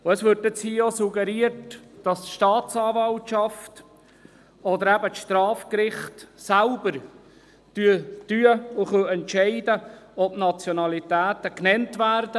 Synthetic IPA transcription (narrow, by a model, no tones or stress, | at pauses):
ʊɛsʋʏɾtɛt͡shiːosuɡɛɾiətd̥ɑstʃtɑːtt͡sɑːvɑltʃɑft | ɔd̪əɾæbət͡sʃtrɑːfkɾɪχtsælbəɾ | tyətyəʊχœɛntʃɛɪdəɔbnɑt͡sjonɑlit̪æːtəknɛntvæːrdə